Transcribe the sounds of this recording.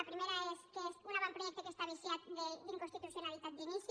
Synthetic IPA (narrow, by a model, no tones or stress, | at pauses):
apɾimeɾaeskeesunaβampɾojekt̪okest̪aβisjat̪̚d̪ed̪iŋkonst̪it̪uθjonalit̪at̪̚d̪inis